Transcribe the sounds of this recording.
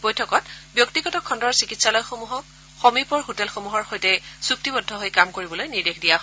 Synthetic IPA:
b̥ojtʰɔkɔtbjɔktiɡɔtɔkʰɔndɔɹsikitsalɔjxomuɦɔk | xomipɔɹɦotɛlxomuɦɔɹxojtɛsuk̚tibɔdʱːɔɦojkamkoɹibɔlojniɹdexdijaɦ

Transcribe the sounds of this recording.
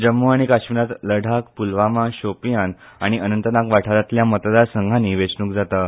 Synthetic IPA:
d͡ʑəmːuaɽ̃ikaɕminat̪ləɽʱak̚pulʋamaɕopijan | aɽ̃iənənt̪ənakʋaʈʰaɾat̪ljamət̪d̪aɾsəŋɡʱanːiːʋet͡snuːkd͡zat̪a

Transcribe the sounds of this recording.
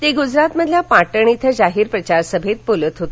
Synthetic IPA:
t̪eɡud͡zɾat̪məd̪ʱljapãʈəɳ̃it̪ʰəd͡zaɦiːɾpɾət͡ɕaɾsəbʱet̪̚polət̪ɦot̪e

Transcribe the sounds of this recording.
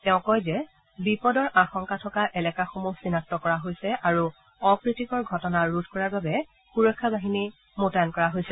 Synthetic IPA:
tɛʊ̃kɔjzɛ | bipɔdɔɹʔaxɔŋkatʰɔkaʔɛlɛkaxomusinak̚tɔkɔɹaɦojsɛʔaɹu | ɔpɹitikɔɹɡʱɔtɔnaɹudʱkɔɹaɹbabɛ | xuɹɔkʰːabaɦini | motajankɔɹaɦojsɛ

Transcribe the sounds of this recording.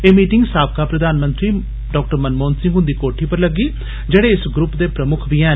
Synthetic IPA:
eːmiːʈɪŋɡsaːb̚kaːpɾəd̪aːnmə̃nt̪ɾiː | ɖɔːk̚ʈəɾmənmoːnsɪ̃ŋɡɦʊ̃nd̪iːkoːʈʰiːpəɾləɡiː | d͡ʒeːɽeːɪsɡɾʊpd̪eːpɾəmʊkʰbiɛ̃ː

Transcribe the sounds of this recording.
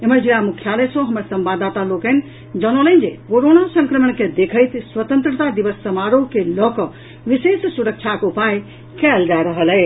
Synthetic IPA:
eməɾd͡ʒilamukʰjalesə̃ɦəməɾsəmbad̪at̪alokən | d͡ʒənolə̃nd͡ʒekoɾonasə̃ŋkɾəmənked̪ekʰəjt̪swət̪ənt̪ɾət̪ad̪iʋəsːəmaɾokelɔkə | ʋisessuɾək̚t͡ʃʰakupaj | kɛld͡ʒaɾəɦəlɛɪ

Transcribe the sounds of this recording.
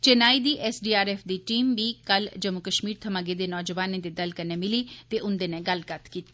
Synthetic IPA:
t͡ʃɪnaːiːd̪iːʔɛːsɖiːaːɾɛːfʰd̪iːʈiːmʋiːkəld͡ʒəmʊkəʃmiːɾt̪ʰəmãːɡeːd̪eːnɔːd͡ʒəʋaːnẽːd̪eːd̪əlkəneːmɪliːt̪eːʔʊnd̪eːnẽːɡəlɡət̪kiːt̪i

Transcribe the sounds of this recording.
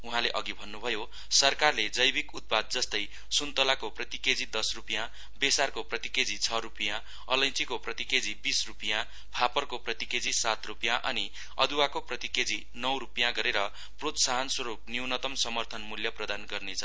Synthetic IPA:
uɦãleʔʌɡibʱʌnːubʱʌjo | sʌrkarled͡zʌjbikut̪̚pad̪̚d͡zʌst̪ʌj | sunt̪olakoprʌt̪iked͡zid̪ʌsrupijã | besarkoprʌt̪iked͡zit͡sʰʌɾupijã | ʌ̰lʌj̃t͡sikoprʌt̪iked͡zibisrupijã | pʰapʌrkoprʌt̪iked͡zisat̪rupijãʔʌni | ʌ̰d̪uwakoprʌt̪iked͡zi | nʌwɾupjãɡʌɾeɾʌ | prot̪saɦʌnswʌɾupniwnʌt̪ʌmsʌmʌrt̪ʰʌnmuljʌprʌd̪anɡʌrnet͡sʰʌ

